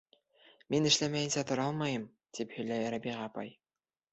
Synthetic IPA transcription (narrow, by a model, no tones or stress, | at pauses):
minɘ̆ʃlæmæjɘnsæt̪ŏɾɑlˠmɑjɤm | d̪̥iphɵ̆jlæjɾæbiʁɑpɑ̰j